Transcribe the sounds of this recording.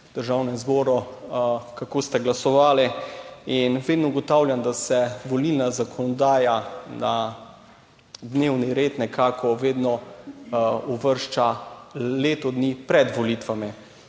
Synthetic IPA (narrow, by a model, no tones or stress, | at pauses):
d̪̥əɾʒaːwnɛmzbɔːɾɔ | kakoːst̪ɛɡlasɔʋaːliinʋeːd̪nɔuɡɔt̪awljand̪asɛʋolilnazakʰɔnɔd̪aːjana | d̪neːwniɾeːt̪nɛkʰaːkʰɔʋeːd̪nɔ | uʋəɾʃt͡ʃaleːt̪ɔd̪nipɾɛd̪ʋɔlit̪ʋami